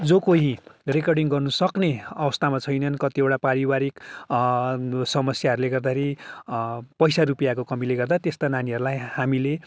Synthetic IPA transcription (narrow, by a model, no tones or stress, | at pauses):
d͡zokoɦĩrekʌrɖiŋɡʌrnusʌkneʌbʌst̪amat͡sʰʌjnʌnkʌt̪ieʈapaɾibaɾik | sʌmʌsjaɦʌɾuleɡʌrd̪akʰeɾi | pʌjsaɾupijakokʌmileɡʌrd̪at̪est̪ananiʌɾulajhamile